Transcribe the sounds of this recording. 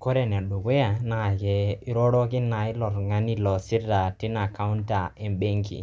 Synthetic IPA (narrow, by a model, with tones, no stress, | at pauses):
kɔ˦ɾɛ˨n˨a˨ɗu˨ke˦a˨na˨kɛ˨i˦ɾɔ˦ɾɔ˦kɪ˦na˨ɪ˦lɔ˨ɾŋa˦ni˦lɔ˨si˦ɾda˨ti˦na˨ka˦u˦nta˨ɛ˨mbe˦ŋkḭ˨